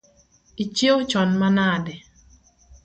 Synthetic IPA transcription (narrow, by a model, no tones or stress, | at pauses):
it͡ʃewt͡ʃɔnmanadɛ